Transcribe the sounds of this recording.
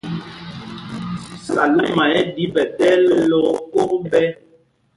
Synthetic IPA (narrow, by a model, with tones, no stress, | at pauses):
sa̰˨la˦mã˨ɛ˦di˨˦bɛ˨tɛ˦lo˦ko˦bɛ˦